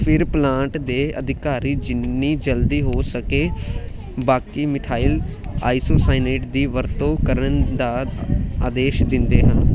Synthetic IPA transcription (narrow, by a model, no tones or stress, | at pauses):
pʰɪɾplãːɳʈd̪eːə̰d̪ɪkaːɾiːd͡ʒɪnːiːd͡ʒəld̪iːɦoːsəkeː | baːkimɪt̪ʰaːila̰ːisoːsaːɪneːʈd̪iːʋəɾt̪õːkəɾənd̪aːaːd̪eːʃd̪ɪnd̪eːɦən